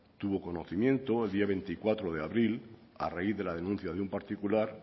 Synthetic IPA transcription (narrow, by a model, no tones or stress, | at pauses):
t̪uβ̞o̞ko̞no̞θimjẽ̞nt̪o̞e̞ld̪iaβ̞e̞nt̪ikwat̪ɾoð̞e̞aβɾil | a̰raiððelaðe̞nũn̟θjað̞umpaɾt̪ikulaɾ